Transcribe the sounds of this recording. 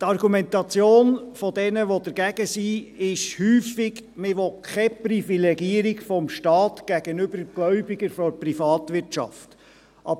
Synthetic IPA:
t̪ɑɾɡumɛnt̪ɑt͡sjoːnfɔdɛnəʋɔd̪əɾɡæɡ̥əsiɪʃhyːfɪɡmɪʋɔkʰɛpɾifilɛɡiəɾiɡfɔmʃtɑːt̪ɡ̥æɡ̥ənʏbəɾɡ̥lœʏbɪɡəɾfɔɾprifɑːtʋɪɾtt͡ʃɑ̰ft | ʔɑ̰b

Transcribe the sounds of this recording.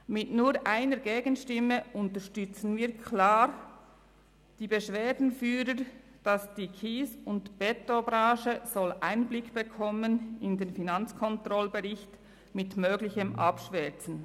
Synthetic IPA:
mɪtnuːɾʔaɪnəɾɡeːɡənʃtɪmːəʔʊntəɾʃtʏt͡sən̩viːkʰlaːɾ | d̥iːbəʃveːdn̩fyːɾəɾ | d̥ɑsd̥iːkʰiːsʊntb̥ɛtobɾɑːʃəz̥ɔlʔaɪnblɪkb̥əkʰɔmənɪndeːnfinɑnt͡skʰɔntrɔlbɛʁɪçt | mɪtmøːɡlɪçəmʔɑ̰pʃvɛt͡sn̩

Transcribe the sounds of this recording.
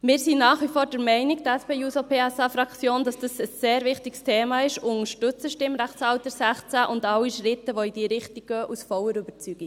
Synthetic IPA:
mɪːɾsinɑːχʋifoːɾdɛɾmɛɪniɡ̚dæspeːjuːsopʰeːɛsɑfɾɑkt͡sjoːnd̥ɑsd̥ɑsəsːeːɾvɪχtɪkstʰeːmɑɪʃʊŋəʃtʏt͡səʃtɪmɾæχt͡shɑwt̪əɾsæχt͡sæʔʊndɑlːiʃrɪtəʋoid̥iːɾɪχtiɡɡœːʔusfɔwəɾybəɾt͡syɡ̥i

